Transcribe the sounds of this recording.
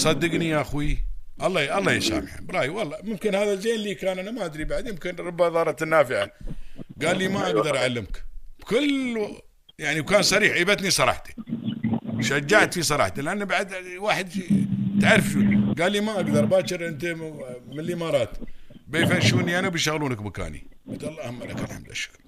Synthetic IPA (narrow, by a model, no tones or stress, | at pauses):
sˤɑd̪ːɪɡniaʔaxwiʔɑlˤːɑːjʔɑlˤːɑːjaʃa̰ːmɪʕa̰bɾˤɑːjwɑlˤːɑmʊmkɪnhaːðald͡ʒeːnlːiːkaːnʔanamaʔad̪ɾibaʕd̪jɪmkɪnɾˤɑbːaðˤɑːɾˤɑt̪nːaːfɪʕaɡaːlːiːmaʔaɡd̪ɑɾˤʔaʕalːɪmkb̥kʊl | jaʕniwkaːnsˤɑɾiːħʔebat̪nisˤɑɾˤɑ̰ːħt̪ḁ | ʃad͡ʒːaʕt̪fisˤɑɾˤɑ̰ːħt̪alʔanːbaʕd̪waːħɪd̪fit̪ʕarˤfʃuɡaːlːiːmaʔaɡd̪ɑɾˤbaːt͡ʃɪɾʔɪnt̪emɪnlːimɑːɾˤɑːt̪beːfanʃuːniʔanabɪjʃaɣluːnakmaka̰ːnḭbɪt̪ɑlːɑʔhamːala̰kalħa̰md̪aʃːʊ̥kl